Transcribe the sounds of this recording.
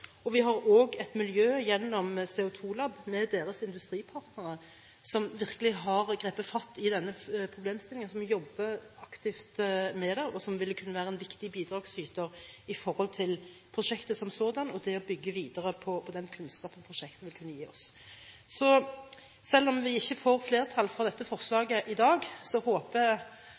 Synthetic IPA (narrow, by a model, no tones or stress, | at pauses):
ɔʋɪɦɑɾoːɡɛt̪mɪljøːjɛnːɔmsɛːʊt̪ʰuːlɑbmɛd̪eːɾəsɪnd̪ʉst̪ɾiːpʰɑʁt̪nəɾə | sɔmʋɪʁkəlɪɦɑʁɡʁeːpəfɑt̪ːɪd̪ɛnːəpʰɾʊbleːmst̪ɪlɪŋənsɔmʋɪjɔbːəɑkt̪ɪft̪mɛd̪ɛʔɔsɔmʋɪlːkʰʉnːəʋæːɾəɛnʋɪkt̪ɪbiːd̪ɾɑːɡsyːt̪əʁɪfɔʁhɔlt̪ʰɪl | pʰʁʊʂɛkt̪əsɔmsoːd̪ɑnɔd̪ɛɔbʏɡːəʋiːd̪əɾəpʰɔpʰɔd̪ɛnkʰʉnskɑːpənpʰʁʊʃɛkt̪əʋɪlkʰʉnːəjiːɔs | sɔ | sɛlːɔmʋɪɪçːəfoːɾfleːʁət̪ʰɑlfɔʁd̪ɛt̪ːəfɔʁslɑːɡəʔɪd̪ɑːɡsɔhoːpəɛ